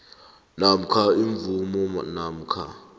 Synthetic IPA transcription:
nam̩kʰaiɱvumɔ̰nam̩kʰa̰

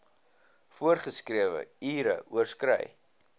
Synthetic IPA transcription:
fuərχəskriəvə̰iːɾəʔuərskrɛ̰j

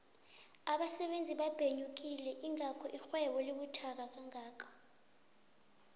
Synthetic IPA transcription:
aɓasɛɓend͡zʱiɓab̥ʱeɲuk̬ilɛʔiŋakʰɔʔixwɛɓɔliɓutʰak̬ak̬aŋaːkʰḁ

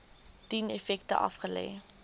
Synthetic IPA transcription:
d̥inɛfɛk̚tə̰ʔɐ̰fχəlɛ̰j

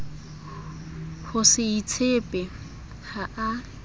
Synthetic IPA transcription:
hʊsɪit͡sʰepʼɛ | haʔa

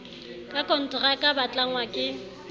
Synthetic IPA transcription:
kʼakʼɔn̩tʼʊrakʼabat͡ɬʼaŋwakʼɪ

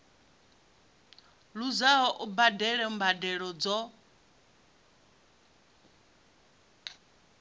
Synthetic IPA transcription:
ɺuzaɦɔʔubadɛɺɛm̩badɛɺɔd͡zɔ

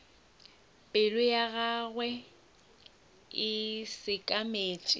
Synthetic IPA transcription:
pʼɪlʊjaɣaɣwɛ | ɪsɪkʼameːt͡ʃʼɪ

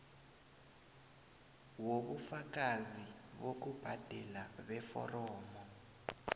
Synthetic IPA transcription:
woɓufak̬aziɓok̬ub̥ʱad̥ʱɛlaɓɛfɔ̰rɔːmɔ

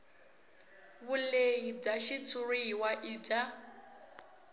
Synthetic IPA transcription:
βuleɦib͡ʐaʃit͡sʰuɺiɦiwaʔida

